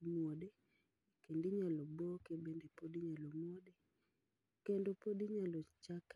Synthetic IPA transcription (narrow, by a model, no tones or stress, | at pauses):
mwode | kendiɲalɔbokebendepodiɲalomwode | kendopodiɲalɔt͡ʃak